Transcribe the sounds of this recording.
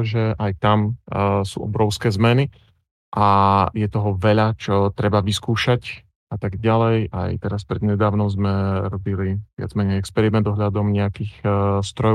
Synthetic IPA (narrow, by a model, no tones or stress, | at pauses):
ʒɛʔajt̪amsṵːʔɔbɾɔʊskɛːzmɛni | ʔajɛt̪ɔɦɔʋɛʎat͡ʃɔt̪ɾɛbaʋiskuːʃac | ʔat̪aɡɟalɛja̰jt̪ɛɾaspɾɛd̪ɲɛd̪aːʊnɔʊzmɛɾɔbiliʋɪa̰d͡zmɛɲɛɛkspɛɾimɛnd̪ɔɦʎad̪ɔmɲɛakiːxst̪ɾɔj